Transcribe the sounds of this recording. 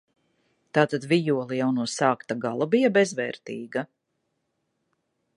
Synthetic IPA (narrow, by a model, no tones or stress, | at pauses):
t̪aːt̪ad̪vijuɔlˠijawnuɔsaːkt̪aɡalˠabijabɛzvɛːɾt̪iːɡa